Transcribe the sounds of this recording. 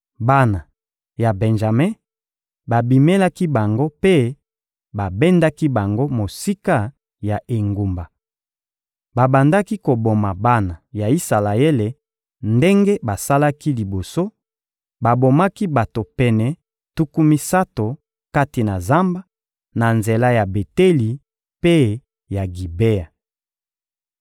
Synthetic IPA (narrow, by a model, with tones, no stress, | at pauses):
ba˦na˨ | ja˨bɛ˨nʒa˨mɛ̃˦ | ba˨bi˨me˦la˦ki˦ba˨ŋɡo˦pe˦ | ba˨bɛ˦nda˦ki˦ba˨ŋɡo˦mo˨si˦ka˦ | ja˨ʔe˨ŋɡu˨mba˨ | ba˨ba˨nda˦ki˦ko˨bo˨ma˨ba˦na˨ja˨i˦sa˨la˨e˦le˨ | nde˦ŋɡe˦ba˨sa˦la˦ki˦li˨bo˨so˦ | ba˨bo˨ma˦ki˦ba˨to˨pɛ˨nɛ˨ | tu˦ku˦mi˦sa˦to˨ | ka˦ti˨na˨za˦mba˦ | na˨nze˨la˦ja˨be˨te˦li˨ | pe˦ | ja˨ɡi˨be˦a˨